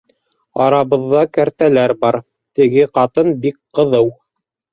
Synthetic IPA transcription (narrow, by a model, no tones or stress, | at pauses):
ɑɾɑβɤ̆ðːɑkæɾt̪ælæɾbɑɾ | t̪ɘ̆ɡɘqɑt̪ɤnbikqɤ̆ðɤw